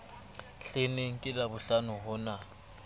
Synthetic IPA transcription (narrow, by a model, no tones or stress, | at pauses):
ɬeneŋ̩kʼɪlabʊɬanʊɦʊna